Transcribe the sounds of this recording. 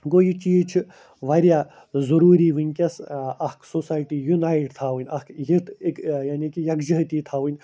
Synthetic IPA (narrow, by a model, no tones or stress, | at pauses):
ɡoːjit͡ʃiːt͡ʃʰi | ʋɐɾjaː | zɐɾuːɾiːʋɨnʲkʲɐsɐhksosaːjʈijunaːjʈt̪ʰaːʋunʲɐkjit̪ekjaːnʲikijɐkd͡ʒɐɦt̪iːt̪ʰaːʋɨnʲ